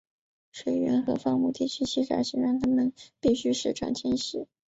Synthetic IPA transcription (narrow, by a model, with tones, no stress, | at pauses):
ʂwe˨˩ɪɥɛ̰˧˥nxɤ˧˥fɑ˥ŋmu˧˥˩t̪ʰi˥˩t͡ɕʰy˥t͡ɕʰi˥˩ʈ͡ʂa̰˨˥ɕi˧˥ŋɻa˥ŋt̪ʰa˥mə˨npi˥˩ɕy˥ʂɻ̩˥˩ʈ͡ʂɑ̰˥˩ŋt͡ɕʰjɛ˥nɕi˧˨˩